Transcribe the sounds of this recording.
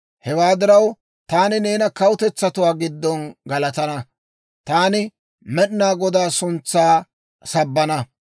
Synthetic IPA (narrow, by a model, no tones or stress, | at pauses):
hɛwaːd̪ɪɾɐw | t̪aːnɪne̞ːnɐkɐwʊt̪ɛt͡sːɐt̪ʊwaːɡɪd̪ːɔnɡɐlɐt̪ɐnɐ | t̪aːnɪ | mɛɗnaːɡɔd̪aːsʊnt͡sːaː | sɐbːɐnɐ